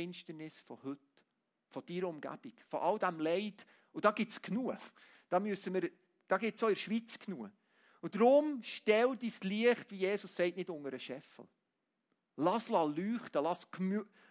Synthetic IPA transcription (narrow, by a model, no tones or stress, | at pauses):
ɪnʃtənɪsfɔ̰hɵt | fɔd̥iɾəʊmɡ̥æ̰b̥ikfɔ̰ʔɑld̪æmlɛɪt | ud̥ɑːɡ̥ɪtskʰnuə | d̥ɑːmyəsəməɾ | d̥ɑːɡɪtsɔɪɾʃʋit͡skʰnuə | ud̥ɾʊmʃtɛldisliəχtʋijeːsʊsːɛɪtnɪdʊŋəɾəʃɛfə̰l̩ | lɑslɑlyːχtəlɑskm